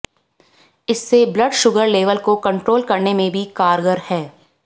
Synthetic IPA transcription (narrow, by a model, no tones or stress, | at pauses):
ɪsːeblɐɖʃʊɡəɾleːʋəlkokɐ̃ɳʈɾoːlkɐɾnemẽbʱikaːɾɡəɾhɛː